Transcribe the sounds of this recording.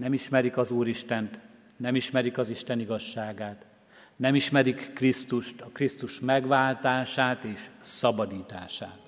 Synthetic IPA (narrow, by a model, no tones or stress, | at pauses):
nɛmiʃmɛɾikɒzuːɾiʃt̪ɛnt̪ | nɛmiʃmɛɾikɒziʃt̪ɛniɡɒʃːaːɡaːt̪ | nɛmiʃmɛɾikːrist̪uʃt̪ɒkrist̪uʃmɛɡʋaːlt̪aːʃaːt̪eːʃsɒbɒd̪iːt̪aːʃaːt̪